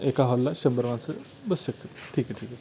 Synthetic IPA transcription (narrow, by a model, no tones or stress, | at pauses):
ekaɦɔlːaɕəmbəɾʋãnsə | bəsɕək̚t̪ət̪ʈʰiːkɛʈʰiːkɛ